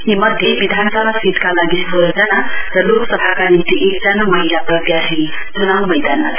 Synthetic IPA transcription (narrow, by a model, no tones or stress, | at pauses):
nimʌd̪ʱjejbid̪ʱansʌbʱasiʈ̪kalaɡisbʱod͡zʌnaɾʌloksʌbʱakanint̪iʔekd͡zanomʌɦilaprʌd̪jaɦij | t͡sunawmʌjd̪anma̰d̪